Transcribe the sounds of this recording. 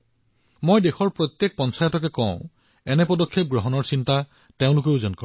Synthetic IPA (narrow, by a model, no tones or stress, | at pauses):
mojdexɔɹpɹɔt̪jek̚pɔnsajɔtɔk̬ɛkɔ̃ʊ̃ | ɛnɛpɔdɔkʰːep̚ɡɹɔɦɔnɔɹsinta | teʊ̃lʊk̬eʊzɔnkɔ